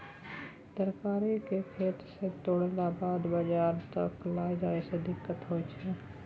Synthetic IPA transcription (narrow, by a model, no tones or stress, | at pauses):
d̪əɾkaːɾikekʰeːt̪ɾset̪oːɽlabaːd̪bəd͡ʒaːɾt̪əklaːjd͡ʒaːesed̪ɪkːət̪ɦoːt͡ʃʰɛ